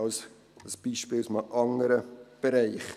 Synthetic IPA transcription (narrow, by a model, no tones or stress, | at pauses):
ɑls | əsb̥iʃpiːlsmɑʔɑŋəɾəb̥əɾaɪχ